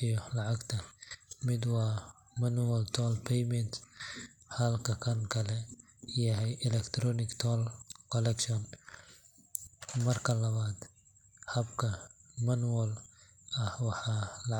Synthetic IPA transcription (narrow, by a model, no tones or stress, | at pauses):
ɪjɔlɐʕaɡt̪ʰɐmɪd̪wɑː | mɐnwɐlt̪ʰɔːlpʰɛjmɛnt̪ | hɐlkʰɐkʰɐnkʰɐlɛ | jɐɦɛjʔɪlɛkt̪ʰɾɔnɪkt̪ʰɔːlkʰɔlɛkʃɔn | mɐrkʰɐlɐβaːd̪ | hɐbkʰɐmɐnwɔl | ɐhwɑħalɐ